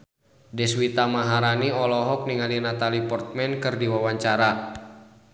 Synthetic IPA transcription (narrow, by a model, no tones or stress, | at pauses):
dɛswit̪amaɦaɾaniɔlɔɦɔk̚niŋalinat̪alipɔrt̪̚mɛnkɨrdiwawaɲt͡ʃaɾa